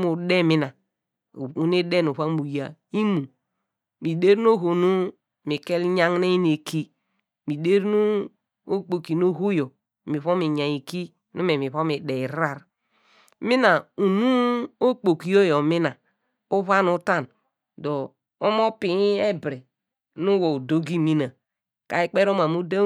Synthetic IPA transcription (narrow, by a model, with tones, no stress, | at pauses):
mu˨de˦˨mi˦na˨ | u˨n˦e˦de˦nu˨βa˦mu˨ja˨ | i˦mu˨ | mi˨de˦ɾn˦o˦ɦo˨nu˦ | mi˨ke˦lɲa˦ŋ˦ne˦i˦n˦e˨ki˦ | mi˨de˦ɾnu˦ | o˦k͡po˨ki˨no˦ɦu˦jo˨ | mi˨βo˦mi˨ɲa˨i˨ki˦ | nu˦me˨mi˨βo˦mi˨de˨i˨ɾa˦ɾ | mi˦na˨u˨nu˦o˦k͡po˨ki˨jo˦jo˨mi˦na˨ | u˦βa˦nu˦ta˦˨n | do˨ | o˦m˦o˦pi˨˦e˦bɾe˨ | nu˦wo˨u˨do˦ɡi˦mi˦na˨ | ka˨i˦k͡pe˦ɾo˦ma˨mu˦de˦